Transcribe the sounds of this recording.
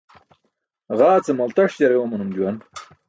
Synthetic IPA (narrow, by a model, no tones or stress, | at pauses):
ʁaːt͡semɐlt̪ɐʂd͡ʑɐɾewɐmɐnumd͡ʑuwɐn